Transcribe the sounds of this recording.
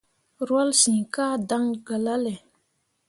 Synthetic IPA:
rɔ˨lɕi˩˨ka˥d̪a˨ŋɡə˨la˨le˨

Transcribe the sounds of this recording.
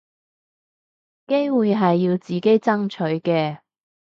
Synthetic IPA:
ke˥jwuː˨jɦɐ˨jːiː˧wt͡siː˨˩ke˥jt͡sɐ˥ŋt͡ʃʰɵ˨˥ɥkɛː˧

